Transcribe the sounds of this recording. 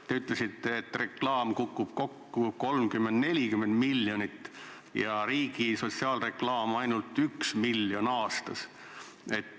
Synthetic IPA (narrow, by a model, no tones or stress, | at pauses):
t̪e̞yt̪ˑle̞sit̪ːe̞ːt̪ːˑre̞klɑːmkukːˑub̥ko̞kːuko̞lmkymːe̞nd̪ne̞lʲikymːe̞nd̪milːjo̞nit̪ː | jɑɾiːɡiso̞t̪siɑːlre̞klɑːmɑjnult̪ːyksmilːjo̞nɑːst̪ɑs | e̞t̪ː